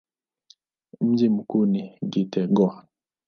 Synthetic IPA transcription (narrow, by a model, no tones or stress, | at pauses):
m̩d͡ʒimukuniɡitɛɡɔ